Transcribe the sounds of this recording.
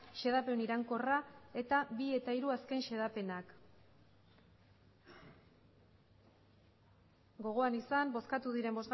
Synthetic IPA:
ʃe̞ðape̞niɾaŋko̞rae̞t̪aβie̞t̪aiɾuaske̞nʃe̞ðape̞nak | ɡo̞ɣ̞o̞anisambo̞skat̪uðiɾe̞mbo̞z

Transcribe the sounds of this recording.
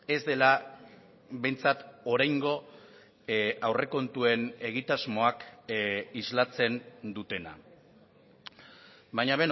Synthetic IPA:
e̞zd̪e̞la | βe̞jnt͡sat̪oɾajŋɡo̞ | awre̞ko̞nt̪ue̞ne̞ɣit̪azmo̞ak | izlat͡se̞nd̪ut̪e̞na̰ | βajɲaβ̞e̞n

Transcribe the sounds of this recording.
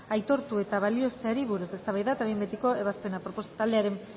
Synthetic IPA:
ajt̪o̞ɾt̪ue̞t̪aβ̞alio̞est̪eaɾiβuɾuse̞st̪aβajðat̪aβejmbet̪iko̞e̞β̞aspe̞napɾopost̪ald̪e̞aɾe̞m

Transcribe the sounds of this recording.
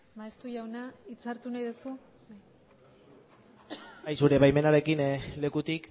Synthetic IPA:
baest̪uʝawnait͡saɾt̪unajðusu | βaj | ajsuɾe̞βajme̞naɾe̞kinle̞kut̪ik

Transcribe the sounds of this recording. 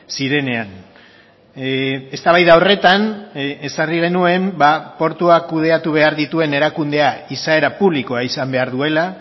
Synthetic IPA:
siɾe̞ne̞an | e̞st̪aβ̞ajðaore̞t̪ane̞sariɣ̞e̞nue̞mbapo̞ɾt̪uakuð̞e̞at̪uβ̞e̞aɾðit̪ue̞ne̞ɾakund̪e̞aisae̞ɾapuβliko̞aisambe̞aɾðue̞la

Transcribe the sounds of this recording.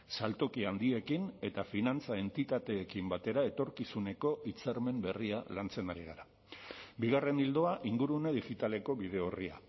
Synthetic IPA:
salt̪o̞kiand̪ie̞kine̞t̪afinant͡sae̞nt̪it̪at̪e̞ːkimbat̪e̞ɾae̞t̪o̞ɾkisune̞ko̞ʔit͡seɾme̞mbe̞rialant͡se̞naɾiɣa̰ɾa | biɣ̞are̞nild̪o̞aʔiŋɡuɾuneðixit̪ale̞ko̞βiðe̞oria̰

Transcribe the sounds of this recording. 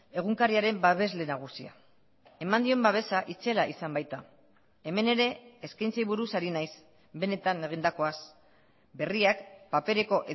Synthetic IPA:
e̞ɣ̞uŋkaɾiaɾe̞mbaβe̞zle̞naɣ̞usia̰ | e̞mand̪io̞mbaβ̞e̞saʔit͡se̞laʔisambajt̪a | e̞me̞ne̞ɾe̞ːskajnt͡sajβuɾusaɾinajs | be̞ne̞t̪ane̞ɣ̞ind̪ako̞as | be̞riakpape̞ɾe̞ko̞ʔe

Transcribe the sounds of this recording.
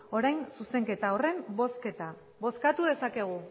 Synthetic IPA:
o̞ɾajnsuse̞ŋke̞t̪ao̞re̞mosket̪a | βo̞skat̪uðe̞sake̞ɣ̞u

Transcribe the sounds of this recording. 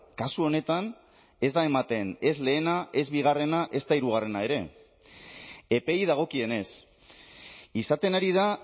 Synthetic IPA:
kasuo̞ne̞t̪an | e̞zd̪ae̞mat̪e̞ne̞zle̞ːnaʔe̞zβiɣ̞are̞naʔe̞st̪aiɾuɣ̞are̞nae̞ɾe̞ | e̞pe̞jðaɣ̞o̞kie̞ne̞s | isat̪e̞naɾið̞a

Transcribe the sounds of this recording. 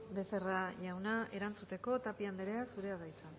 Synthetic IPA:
be̞se̞raʝawnae̞ɾant͡sut̪e̞ko̞t̪apiand̪eɾeasuɾe̞aɣajt͡sa

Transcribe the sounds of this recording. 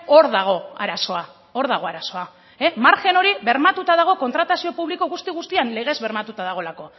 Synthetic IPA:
o̞ɾðaɣ̞o̞a̰ɾaso̞a | o̞ɾðaɣ̞o̞aɾaso̞a | emaɾxe̞no̞ɾiβe̞ɾmat̪ut̪aðaɣ̞o̞ko̞nt̪ɾat̪asio̞puβliko̞ɣust̪iɣ̞ust̪ianle̞ɣ̞e̞zβe̞ɾmat̪ut̪aðaɣ̞o̞lako̞

